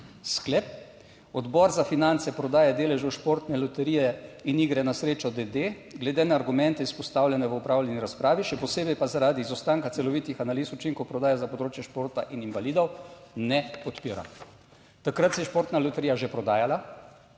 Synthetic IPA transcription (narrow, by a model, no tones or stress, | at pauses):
sklep̚ | ɔd̪bɔɾzafinant̪sɛpɾɔd̪aːjad̪eːlɛʒɔwʃpoːɾt̪nɛlɔt̪ɛɾijɛiniɡɾɛnasɾeːt͡ʃɔd̪ed̪e | ɡlɛd̪enaːɾɡumɛnt̪ɛispɔst̪aːwlʲjɛnɛʋəupɾawlʲɛniɾaspɾaːʋiʃɛpɔseːbɛjpazaɾaːd̪izɔwst̪aŋkatsɛlɔʋit̪ixanaliːsut͡ʃiŋkɔwpɾɔd̪aːjazapɔd̪ɾoːt͡ʃjɛʃpoːɾt̪aʔininvaliːd̪ɔwnɛpɔt̪piːɾa̰ | t̪akɾat̪sɛjɛʃpoɾt̪nalɔt̪ɛɾijaʒepɾɔd̪aːjala